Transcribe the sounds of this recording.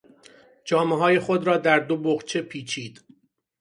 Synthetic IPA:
d͡ʒɒːmeɦɒːje̞xo̞d̪ɾɒːd̪æɾd̪oboχt͡ʃʰe̞pʰiːt͡ʃʰiːd̪̥

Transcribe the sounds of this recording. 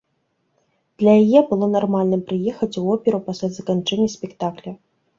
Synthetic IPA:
d̪̥lʲɐjajɛbɨlˠɔnarmalʲnɨmpɾɨjɛxɐt͡sʲuɔpʲɛɾupasʲlʲazɐkant͡ʂɛnʲːɐsʲpʲɛkt̪aklʲɐ

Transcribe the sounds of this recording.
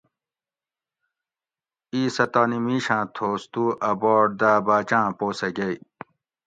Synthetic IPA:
iːsɐt̪aːnimiːɕãːt̪ʰoːst̪uʔɐbɔːɖ̚d̪aːbaːt͡ɕãːpoːsɐɡɐi

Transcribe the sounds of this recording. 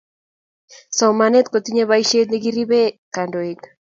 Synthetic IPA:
sawmanet̪kot̪iɲeβajʃet̪neɣiriβekandoik

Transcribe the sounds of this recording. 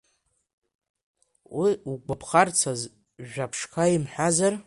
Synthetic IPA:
wiuɡʷapʰχart͡sʰaz | ʒᶣapʰʂkʰaimħazar

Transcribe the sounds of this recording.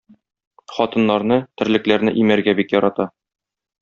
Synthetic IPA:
χɒt̪ɤ̆nːɑɾnɤt̪ɘ̆ɾlɘ̆klæɾnɘʔimæɾɡæbikjɒɾɑt̪ɑ

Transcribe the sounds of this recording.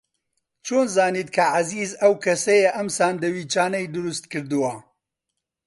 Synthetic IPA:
t͡ʃʰoːnzaːniːt̪kʰɐʕaziːzɐwkʰɐsɛjɛʔɐmsaːnd̪ɐwiːt͡ʃaːnɐjd̪ʊɾust̪kɨɾd̪ɨwɐ

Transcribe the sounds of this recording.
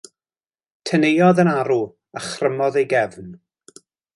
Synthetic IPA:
tʰənejɔðənaɾu | aχrəmɔðejɡɛvn

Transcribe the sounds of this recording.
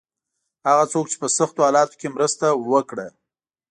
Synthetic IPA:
haɣat͡sok̚t͡ʃe̥pəsaxt̪ohɑlɑt̪o̥kemɾəst̪awəkɽa

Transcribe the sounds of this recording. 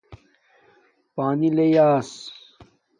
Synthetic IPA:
paːnilejaːs

